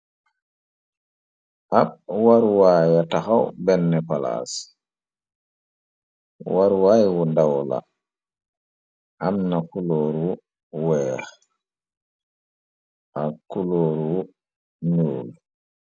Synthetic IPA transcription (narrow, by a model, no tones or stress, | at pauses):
ʔab̚waɾwajataxawbɛnːɛpala̰s | waɾwajwudawla̰ | ʔamnakuloːɾwu | wɛːx | ʔakuloːɾwu | nuːl